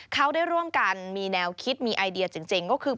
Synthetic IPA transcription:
kʰa˦˥˩wda˥˩jɾu˥˩əmka˧nmiː˧nɛː˧wkʰi˦˥t̪̚miː˧ʔa˧jdi˧ɐt͡ɕi˧ŋt͡ɕi˧ŋkɔː˥˩kʰɯː˧

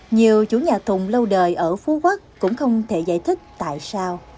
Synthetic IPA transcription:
ɲi˨˩əwt͡ɕu˧˩˦ɲaː˨˩t̪ʰʊ˨˩ŋ͡mlə˧wɗəː˨˩jʔəː˧˩fu˨˦ɣwə˦˥k̚kʊ̰˧˥ŋ͡mxə˧wŋ͡mt̪ʰe˧˩za̰ː˧˩jt̪ʰï˦˥k̟̚t̪a̰ː˧˨jsaː˧w

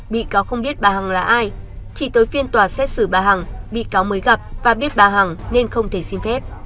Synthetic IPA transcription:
ɓḭ˧˨kaː˨˦wxə˧wŋ͡mɓi˦˥ət̚ɓaː˨˩ha˨˩ŋlaː˨˩ʔaː˧jt͡ɕi˧˩t̪oː˨˦jfi˧ənt̪waː˧˩sɛ˦˥t̚sɨ˧˩ɓaː˨˩ɦa˨˩ŋɓḭ˧˨kaː˨˦wməː˨˦jɣa˨˩p̚vaː˨˩ɓi˦˥ət̚ɓaː˨˩ɦa˨˩ŋne˧nxə˧wŋ͡mt̪ʰe˧˩si˧mfɛ˦˥t̚

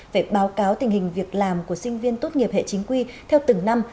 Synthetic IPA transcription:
ve˧˩ɓaː˨˦wkaː˨˦wt̪ï˨˩ŋ̟hï˨˩ŋ̟vi˨˩ək̚laː˨˩mku˧˩əsï˧ŋ̟vi˧ənt̪o˦˥t̚ŋi˨˩əp̚hḛ˧˨t͡ɕï˨˦ŋ̟kwi˧t̪ʰɛ˧wt̪ɨ˨˧˩ŋna˧m

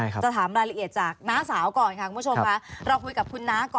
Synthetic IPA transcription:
t͡ɕa˨˩t̪ʰaː˩˦mɾaː˧jla˧ʔi˨˩ət̪̚t͡ɕaː˨˩k̚naː˦˥saː˩˦wkɔː˨˩nkʰa˥˩ku˧˩bʰt͡ɕʰo˧m˧kʰa˦˥ɾa˧wkʰu˧jka˨˩p̚kʰu˧nːaː˦˥kɔː˨˩

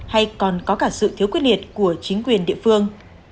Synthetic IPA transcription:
ha˧jkɔ˨˩nkɔ˨˦kaː˧˩sɨ̰˧˨t̪ʰi˨˦kwt̚li˨˩ət̚ku˧˩ət͡ɕï˨˦ŋ̟kwi˨˩ənɗḭ˧˨əfɨ˧əŋ

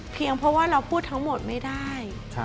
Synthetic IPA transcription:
pʰi˧əŋpʰɾɔ˦˥waː˥˩ɾa˧wpʰuː˥˩t̪ʰːa˦˥ŋmo˨˩t̪̚ma˥˩jdaː˥˩jʰ

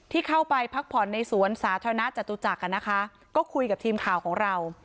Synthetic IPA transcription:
t̪ʰiː˥˩kʰa˥˩wpa˧jpʰa˦˥k̚pʰɔ˨˩˦nːa˧jsu˩˦ənsaː˩˦t̪ʰaː˧ɾa˧na˦˥t͡ɕa˨˩t̪ːuː˧t͡ɕa˨˩k̚ːa˧˩na˦˥kʰa˦˥ | kɔː˥˩kʰu˧jka˨˩t̪ʰiː˧mkʰaː˨˩wkʰɔː˩˦ŋɾa˧w

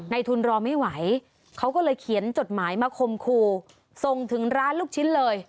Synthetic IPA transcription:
na˧jt̪ʰu˧nɾɔː˧ma˥˩jwa˩˦j | kʰa˦˥wkɔː˥˩lɤː˧jkʰi˩˦ənt͡ɕo˨˩t̪̚maː˩˦jmaː˧kʰo˧mkʰuː˧ | so˨˩ŋt̪ʰɯ˩˦ŋɾaː˦˥nluː˥˩k̚t͡ɕʰi˦˥nlɤː˧j

